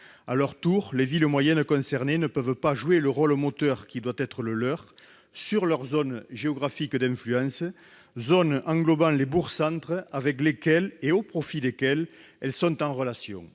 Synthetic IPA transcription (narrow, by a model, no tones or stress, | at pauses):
alœʁt̪uʁleviləmwajɛnkɔ̃sɛʁnenəpœvpaʒueləʁɔlmot̪œʁkʲid̪wat̪ɛt̪χələlœʁ | syʁlœʁzɔnʒeɔɡʁafikəd̪ɛ̃flyɑ̃sə | zɔnɑ̃ŋɡlɔbɑ̃lebuʁsɑ̃nt̪χəavɛklekɛleopχɔfid̪ekɛl | ɛlsɔ̃nt̪ɑ̃ʁəlasjɔ̰̃ŋ